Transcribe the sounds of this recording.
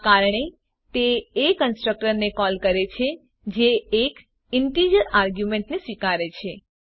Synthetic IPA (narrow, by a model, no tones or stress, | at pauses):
kaɾɳe | t̪eːkənsʈɾək̚ʈəɾnekɔlkəɾet͡ʃʰe | d͡ʒeːk | ɪɳʈid͡ʒəɾaɾɡjumẽɳʈnesʋikaɾet͡ʃʰe